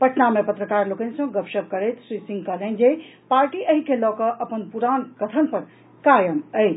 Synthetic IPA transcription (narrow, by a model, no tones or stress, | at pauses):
pəʈnamepət̪ɾəkaːɾlokənsɐ̃ɡəpʃəb̚kəɾet̪sɾisĩŋɡkalẽnd͡ʒepaːɾʈiʔəɦikʰelɔkəʔɐpənpuɾaːnkɐt̪ʰənpəɾ | kajəməj